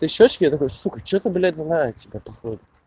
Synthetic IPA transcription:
t̪ɨɕot͡ɕkʲɪjat̪ɐkojʊsuxət͡ɕot̪əblʲet̪znajʊtʲːɪbʲapɐxod̪ʊ

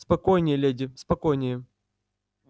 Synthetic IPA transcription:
spɐkojnʲɪjəlʲedʲɪspɐkojnʲɪjə

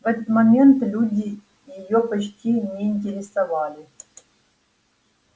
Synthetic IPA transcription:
vɛt̪ət̪mɐmʲe̞nt̪lʲudʲɪ | jɪjopɐt͡ɕtʲinʲeːnʲtʲɪɾʲɪsɐvalʲɪ

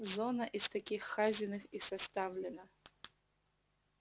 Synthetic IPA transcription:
zɔnɐʔist̪akʲixːazʲɪnɨxisast̪avlʲɛnɐ

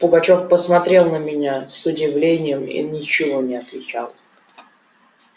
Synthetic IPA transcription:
pʊɡɐt͡ɕo̞fpəsmɐt̪ɾʲe̞lˠnəmʲɪnʲasʊdʲɪvlʲenʲɪjəmḭnʲɪt͡ɕɪvo̞nʲɪɐt̪vʲɪt͡ɕalˠ

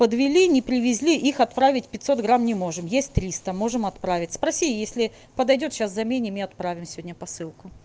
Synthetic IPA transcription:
pəd̪vʲɪlʲinʲɪpɾʲɪvʲɪzʲlʲiʔixɐt̪pɾavʲɪtʲpʲɪt̪ʲso̞t̪ɡɾamnʲɪmo̞ʐɨmjesʲt̚ʲt̪ɾʲist̪əmo̞ʐɨmɐt̪pɾavʲɪtʲspɾɐsʲijesʲlʲɪ | pəd̪ɐjdʲo̞t̪ɕaszɐmʲenʲɪmɨɐt̪̚pɾavʲɪmsʲɪvʲodʲnʲəpɐsɨlˠkʊ

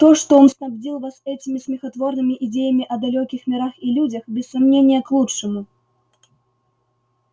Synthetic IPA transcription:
t̪ɔʂt̪ɔɔnsnabd͡zʲilˠvasɛt͡sʲimʲismʲixat̪vɔrnɨmʲiʔid͡zʲɛjɐmʲiʔɐd̪alʲɔkʲixmʲɛɾaxilʲud͡zʲɐxbʲɛsːamnʲenʲːijɐklˠutt͡ʂɨmu

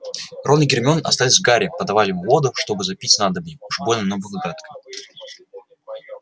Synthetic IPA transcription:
ro̞nɨɡʲɪrmʲo̞nɐ̰st̪alʲɪzʲvɡaɾʲɪpəd̪ɐvalʲɪmvo̞d̪ʊʂt̪o̞bɨzɐpʲitʲnad̪əbnʲɪuʐbolʲnənovɨxɡɾat̪kə

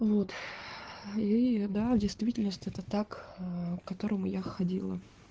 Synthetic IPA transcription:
vot̪ | id̪avdʲɪjst̪vʲitʲɪlʲnəsʲtʲɛt̪ət̪akːkːɐt̪o̞ɾəmʊjaxɐdʲilˠə̰

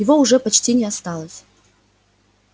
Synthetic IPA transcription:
jɪvoʊʐɛpɐt͡ɕtʲinʲɪast̪alˠəsʲ

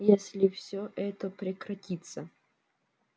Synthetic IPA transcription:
jesʲlʲɪfsʲoʔɛt̪əpɾʲɪkɾɐtʲit̪sə

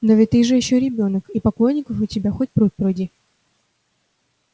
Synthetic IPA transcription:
novʲɪtt̪ːɨʐɨjɪɕːoɾʲɪbʲonəkipɐklˠojnʲːɪkəfʊtʲɪbʲaxotʲpɾut̪̚ʲpɾojdʲi

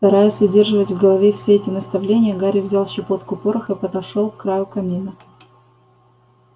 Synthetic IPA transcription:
st̪ɐɾajʊsʲʊdʲe̞rʐɨvətʲvɡəlˠɐvʲefsʲeɛtʲɪnəst̪ɐvlʲenʲɪjəɡaɾʲɪvzʲalˠɕɪpo̞t̪kʊpoɾəxɨpəd̪ɐʂolˠkːɾajʊkɐmʲinɨ

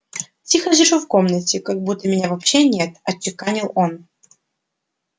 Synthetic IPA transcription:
tʲixəʐɨʂufkomnətʲɪkɐɡ̚but̪ːəmʲɪnʲavɐpɕːenʲet̪ɐt͡ɕːɪkanʲɪlˠon

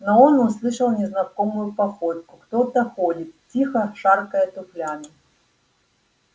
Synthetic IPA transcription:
noonʊslˠɨʂəlˠnʲɪznɐkomʊjʊpɐxot̪̚kʊkt̪ot̪ɐxodʲɪt̪tʲːixɐʂarkəjət̪ʊflʲamʲɪ

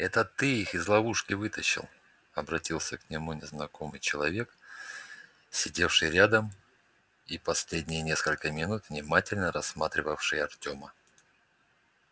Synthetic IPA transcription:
ɛt̪ət̪ɨixɪzlˠɐvuʂkʲɪvɨt̪əɕːɪ̰lˠ | ɐbɾɐtʲilˠsʲəknʲɪmunʲɪznɐko̞mɨjt͡ɕɪlˠɐvʲe̞k | sʲɪdʲe̞fʂɨjɾʲad̪əm | ipɐsʲlʲedʲnʲɪjənʲe̞skəlʲkəmʲɪnut̪vnʲɪmatʲɪlʲnəɾɐsːmat̪ɾʲɪvəfʂɨjɐrtʲo̞mə

